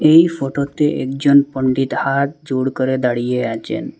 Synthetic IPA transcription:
eifʰoʈot̪eʔḛkd͡ʒɔnpəɳɖit̪hat̪̚d͡ʒuɽkəɾed̪aɽijeat͡ʃḛn

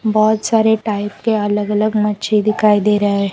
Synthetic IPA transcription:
bɔːt̪saːɾeʈaːɪpkeɐləɡɐləɡmɐt͡ʃʰid̪ɪkʰaːid̪eːɾɐɦe

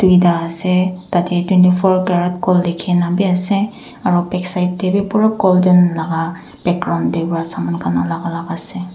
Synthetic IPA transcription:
d̥uidaasɛtatɛtwɛntipʰɔɹkaɹɔt̚kɔldekʰɛnabiasɛ | aɹɔpɛksajt̚debɛpɔɹakɔlzɔnlaɡa | b̥ɛɡ̚ɡɹaw̃ntdebɔɹasamankʰanalaɡalaɡasɛ

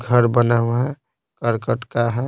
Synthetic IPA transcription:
ɡʱəɾbənawɦɛ | kəɾkəʈkaɦɛ

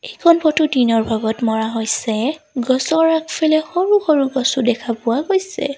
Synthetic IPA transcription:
ekʰɔnpʰɔtudinɔɹbʱaɡɔtmɔɹaɦojsɛ | ɡɔsɔɹakfʰɛlɛxoɹuxoɹuɡɔsudɛkʰapʊwaɡojsɛ̰

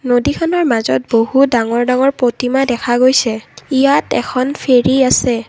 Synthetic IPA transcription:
nodikʰɔnɔɹmazɔ̰t̚bohudaŋɔɹdaŋɔɹpɹotimadɛkʰaɡojsɛijatɛ̰kʰɔnpʰeɹiasɛ

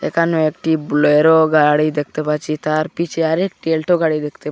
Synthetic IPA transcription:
ḛkanũekʈiblojɾoɡaɽid̪ek̚ʰt̪epat͡ʃit̪aɾpit͡ʃʰiaɾek̚ʈielʈʰoɡaɽid̪ekʰt̪e

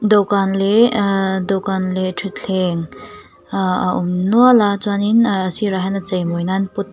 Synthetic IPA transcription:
dɔkanle | dɔkanletʰit̚ɬʰeŋ | umnualat͡ʃwaninːsiɾaɦajnɐt͡ʃɐjmojnanput̪̚

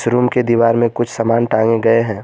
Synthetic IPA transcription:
sɾuːmked̪iːʋaːɾmẽkʊt͡ʃʰsɐmaːnʈãːŋẽɡɐeɦɛ̃ː

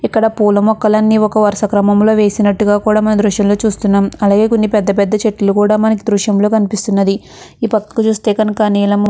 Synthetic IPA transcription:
ikːɐɽɐpuːlɐmɔkːɐlɐnːiːɔkɐʋɐɾʃɐkɾɐmɐmlo̞ːʋe̞ːsinɐʈːuɡaːkuːɽaːmɐnɐd̪ɾuʃjɐmlo̞ːt͡ʃuːst̪unːaːmɐlaːɡe̞ːkonːipɛd̪ːɐpɛd̪ːɐt͡ʃe̞ʈːulukuːɽaːmɐnɐk̬id̪ɾuʂjɐmlo̞ːkɐnipist̪unːɐd̪i | iːpɐk̪ːɐ̥kut͡ʃuːst̪e̞ːkɐnukɐniːlɐm

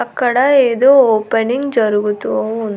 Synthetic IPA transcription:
ɐkːɐɽɐeːd̪oːoːpɐniŋɡd͡ʒɐɾuɡut̪ːuoːun

